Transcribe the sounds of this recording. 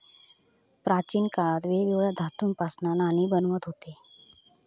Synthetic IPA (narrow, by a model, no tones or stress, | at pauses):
pɾat͡ɕiːnkaɭat̪ʋeɡiʋɭad̪ʱat̪uːnpasnananiːbənʋət̪ɦot̪e